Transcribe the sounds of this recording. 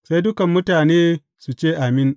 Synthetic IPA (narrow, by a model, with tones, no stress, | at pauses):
sa˦jdʊ˦kɐ˨mːʊ˦taː˨neː˦ | su˨t͡ʃeː˦˨ʔa˨mɪ˦n